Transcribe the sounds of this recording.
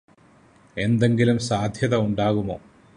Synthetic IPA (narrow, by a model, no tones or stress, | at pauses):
e̞nd̪e̞ŋɡilumsaːd̪ʱjɐðɐuɳɖaːɣumo̞̰ː